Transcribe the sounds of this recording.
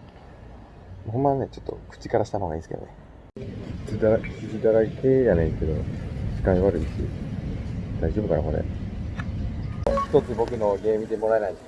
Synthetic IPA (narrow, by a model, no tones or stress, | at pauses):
moɦomːanet͡ɕo̞̥t̪ːo̞̰kɯ̥t͡ɕi̥kaɾaɕi̥t̪ano̞ɡa̰ḭːsɨ̥ked̪o̰ne | t͡sɨd̪aɾasisɨd̪aɾaikʰe̞ːjanẽ̞ŋke̞d̪oɕi̥kaiβaɾɯ̟iɕḭ | d̪̥aiʑo̞bɯ̟kaɾako̞ɾḛ | çi̥t̪o̞t͡sɨbo̞kɯ̟no̞ɡe̞ːmʲid̪e̞mo̞ɾaenai